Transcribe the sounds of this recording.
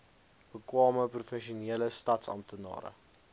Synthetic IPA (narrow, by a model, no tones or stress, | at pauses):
b̥əkwɑːməprofɛnʃioniələstɐtsɐ̰mt̪ənɑ̰ːɾə̰